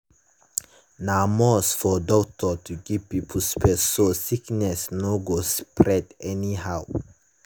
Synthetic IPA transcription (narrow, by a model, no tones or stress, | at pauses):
namɔsfɔdɔk̚tʰɔtʰuɡivpipʰəspʰɛsːosiknɛsnoɡospʰɹɛdɛnihaʊ